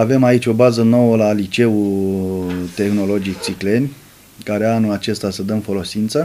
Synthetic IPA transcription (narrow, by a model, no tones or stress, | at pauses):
ave̞mait͡ʃʲo̞bazəno̞wəlaːlit͡ʃe̞u | t̪e̞xno̞lo̞d͡ʒik̚t̪sikle̞nʲ | kaɾeanulat͡ʃe̞st̪asəd̪əmfo̞lo̞sint̪sə